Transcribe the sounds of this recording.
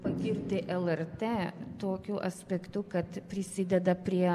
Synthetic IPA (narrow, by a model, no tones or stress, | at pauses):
pɐkʲɪɾʲt̪ʲɪʔɛlˠɛrt̪ʲeːt̪oːkʲʊʔɐsʲpʲɛkt̪ʊkɐt̪pʲɾʲɪsʲɪd̪ʲɛd̪ɐpʲɾʲiɛ